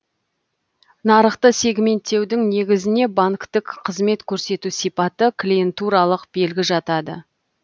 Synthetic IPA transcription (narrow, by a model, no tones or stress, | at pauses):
nɑɾəqt̪əse̞ɡʲme̞nt̪ːe̞wd̪ɪŋne̞ɡʲɪzɪne̞baŋkt̪ɪkqʰəzme̞t̪kʲʰɵɾse̞t̪usijpɑt̪əklʲijent̪uɾɑlˠəqbe̞lɡʲɪʒɑt̪ɑd̪ə̰